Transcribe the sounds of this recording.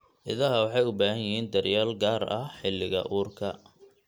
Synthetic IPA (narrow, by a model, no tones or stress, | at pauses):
ʔɪðɐɦɐwɑħɑjʊbaːɦɐjɪɦiːnd̪ɐrjaːlɡaːrɐħɪlːɪɣɐ̰ʔuːrkʰɐ